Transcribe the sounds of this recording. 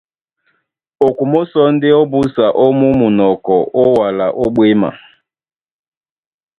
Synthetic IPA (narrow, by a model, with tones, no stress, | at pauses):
o˨ku˨mo˦sɔ˦n̩˦dɪ˦o˦bu˦sa˨ʔo˦mu˦mu˨nɔ˨kɔ˨ʔo˦wa˨la˨ʔo˦ɓwe˦ma̰˨